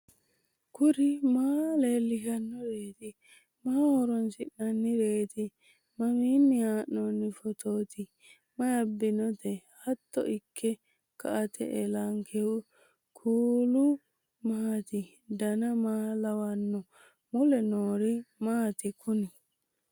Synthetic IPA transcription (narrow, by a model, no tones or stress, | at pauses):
kʊɾɪmaːleːlːɪkɐnːɔɾeːt̪ɪ | maːhɔɾɔnsɪʔnɐnːɪɾeːt̪ɪ | mɐmiːnːɪaːʔːɔnːɪfɔt̪oːt̪ɪ | mɐjɐbːɪnɔt̪ɛhɐt̪ːɔ̰ʔɪkʰːɛ | kɐʔɐt̪ʰɛ̰ʔɛlaŋkʰɛʊ | kʰuːlʊ | maːt̪ɪ | d̪ɐnɐmaːlɐwɐnːɔ | mʊlɛnoːɾɪmaːt̪ɪkʰʊnɪ